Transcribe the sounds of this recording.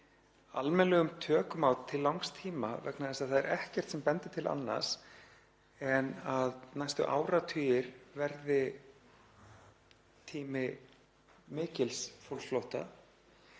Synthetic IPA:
a̰lmɛnlɛɣʏmt̪ʰœːkʏmawt̪ʰɪlːawŋkst̪ʰiːmavɛknaðɛsaðθaðɛɾɛhcɛr̥t̪sɛmpɛnt̪ɪ̥t̪ʰɪlʔa̰nːa̰̥s | ɛnaðnajst̪ʏ̰ʔa̰ːwɾat̪ʰyːjɪɾvɛɾðɪ | t̪ʰiːmɪ | mɪːcɪlsfowlflowht̪a̰

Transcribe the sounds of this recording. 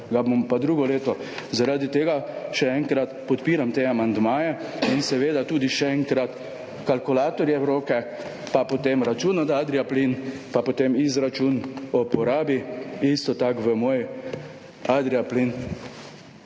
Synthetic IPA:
ɡabompad̪ɾuːɡɔleːt̪ɔzaɾaːd̪it̪eːɡaʃɛɛŋkɾat̪pɔt̪piːɾamt̪eamand̪maːjɛinsɛʋeːd̪at̪uːd̪iʃɛɛŋkɾat̪ | kalkʊlaːt̪ɔɾjɛɛɾoːkɛ | papot̪emɾat͡ʃunɔd̪ad̪ɾiaplinpapot̪emizɾat͡ʃunɔpɔɾaːbiist̪ɔt̪akʋəmoːj | ad̪ɾiaplin

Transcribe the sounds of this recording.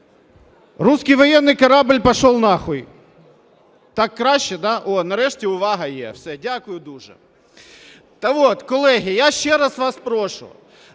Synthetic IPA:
ruskɪjʋɔjɛnːɪjkɐɾɑbɪlʲpɐʃɔlˠnɑxɔj | t̪ɑkːɾɑʃʲt͡ʃːɛd̪ɑʔonɐɾɛʃtʲiʊʋɑɦɐjɛ̰wsɛdʲakʊjʊd̪uʒɛ̰ | t̪ɐʋot̪kɔlˠɛɦʲɪjaʃt͡ʃɛɾɐsʋɑspɾɔʃʊ̰

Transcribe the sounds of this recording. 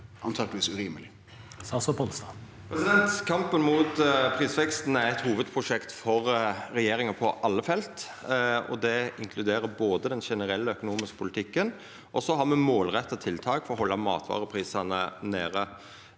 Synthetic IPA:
ʔɑ̰nt̪ʰɑkt̪ʋiːsʉɾiːməlɪ | sɑsɔpʰɔlst̪ɑː | pʰɾɛsɪd̪ɛnt̪kʰɑmpənmʊt̪pʰɾiːsʋɛkst̪n̩æɾɛt̪huːʋəd̪pʰɾʊʂɛkt̪fɔɾɾɛjeːɾɪŋɑpʰɔʔɑlːəfɛlt̪ | ɔ̰d̪ɛɪŋkʰlʉd̪eːɾəboːd̪əd̪ɛnʃɛnəɾɛlːəœkʊnuːmɪskə̥pʰʊlɪt̪ʰɪkːən | ʔɔsɔɦɑɾmɛmoːlɾɛt̪ːɑt̪ʰɪlt̪ʰɑːkfɔɾɔɦɔlːɑmɑ̰ːt̪ʰʋɑ̰ːʁəpʰɾiːsɑnəneːɾə

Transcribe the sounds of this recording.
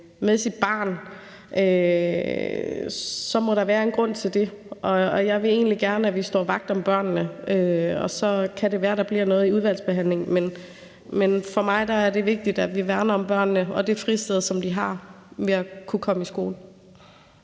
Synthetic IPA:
meðˠsid̥̚b̥ɑ̰̈ːn | ʔø | sɒ̽mɒ̽ɾ̥ɑ̈ʋæːɐe̝nɡ̥ʁɔ̽n̰t͡sʰe̝ld̥e̝ʔɒ̽jɑ̈ɪʋe̝e̝̰ːnliɡ̥æɐnəæʋisd̥ɒ̰ːʋɑ̈ɡ̥̚d̥ɒ̽mb̥ɶɐ̰nːəøɒ̽sɒ̽kʰæɾe̝ʋæːɐɾ̥ɑ̈b̥liɐ̰nɔ̽ːð̞̩ˠiuðˠʋæl̰sb̥e̝ɦæn̰leŋmen | menfɒ̽mɑ̈ɪd̥ɑ̈æɐde̝ʋe̝ɡ̥̚d̥id̥æʋiʋæɐnɐɒ̽mb̥ɶɐ̰nːəɒ̽d̥e̝fʁisd̥eð̞̩ˠsɒ̽md̥iɦɑ̈ | ʋe̝ækʰukʰɒ̽məisɡ̥o̝ːl̩

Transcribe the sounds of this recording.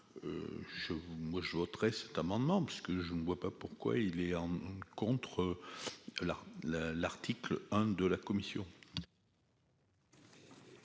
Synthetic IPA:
ø̰ʒəmwaʒəvɔt̪ʁɛsɛ̥t̪amɑ̃d̪əmɑ̃pisə̥kəʒənəvwapapuʁkwa̰ilɛɑ̃kɔ̃t̪χə | lalalaʁt̪iklɛ̃d̪əlakɔmisjɔ̰̃

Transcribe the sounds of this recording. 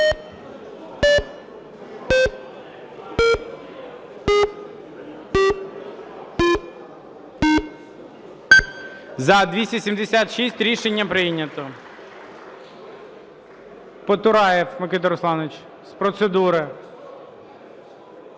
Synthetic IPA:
zɐd̪ʲʋʲisʲtʲɐsʲimd̪esʲat̪ʃisʲtʲɾʲiʃenʲːɐpɾɪnʲɐt̪ɔ | pɔt̪ʊɾɑjɛfmekɪt̪ɔɾɔslˠɑnʋet͡ʃ | spɾɔt̪sed̪uɾɪ

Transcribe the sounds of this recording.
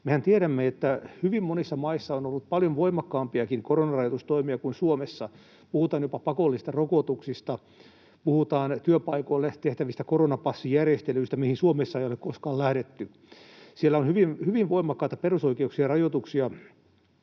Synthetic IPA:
mehænt̪ieɾæmːeet̪ːæhyʋimmonisːɑmɑisːɑonolːut̪̚pɑljoʋʋoimɑkːɑːmpiɑkiŋkoronɑrɑjot̪ust̪oimiɑkuinsuomesːɑ | puhut̪ɑːnjopɑpɑkolːist̪ɑrokot̪uksist̪ɑ | puhut̪ɑːnt̪yøpɑikoilːet̪eht̪æʋist̪ækoronɑpɑsːijærjest̪elyist̪æmihinsuomesːɑeijolekkoskɑːllæhɾet̪ːy | sielːæonhyʋinhyʋiʋʋoimɑkːɑˑit̪ɑperusoikeuksiɑrɑjot̪uksiɑ

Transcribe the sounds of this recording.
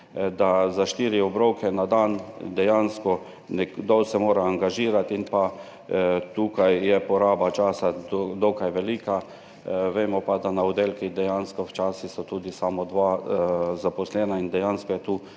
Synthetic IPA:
d̪azaʃt̪iːɾiɔbɾowkɛnad̪and̪ɛjanskɔ | nɛɡd̪ɔwsɛmoːɾaːŋɡaʒiːɾat̪inpa | t̪uːkajjɛpɔɾaːbat͡ʃaːsad̪d̪ɔkajʋɛliːka | ʋeːmɔpad̪anaɔd̪elkid̪ɛjanskɔwt͡ʃaːsisɔt̪uːd̪isaːmɔd̪ʋa | zapɔslɛnaind̪ɛjanskɔjɛt̪uː

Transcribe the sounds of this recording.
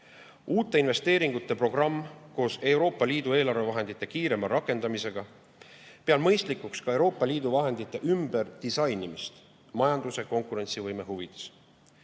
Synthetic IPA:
uːt̪ːˑe̞inve̞st̪e̞ːɾiŋɡut̪ːˑe̞pro̞ɡ̥rɑmːko̞ːse̞wɾo̞ːpːˑɑliːd̪ue̞ːlɑɾve̞vɑɦe̞nd̪̥it̪ːˑe̞kiːɾe̞mɑɾɑkːˑe̞nd̪ɑmise̞ɡ̥ɑ | peɑlmɤjst̪likˑukskɑe̞wɾo̞ːpːˑɑliːd̪̥uvɑɦe̞nd̪it̪ːˑe̞ʔymbe̞rd̪̥isɑjnimist̪ | mɑjɑnd̪use̞ko̞ŋkˑuɾe̞nt̪sivɤjme̞ɦuvid̪̥e̥s

